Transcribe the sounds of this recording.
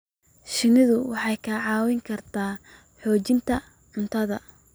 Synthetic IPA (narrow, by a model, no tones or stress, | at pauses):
ʃɪnɪðʊwɑħɑjkʰɐʕɑːwɪŋkʰɐrt̪ʰaː | ħɔːt͡ʃɪnt̪ʰɐ | ʕʊnt̪ʰɐðɐ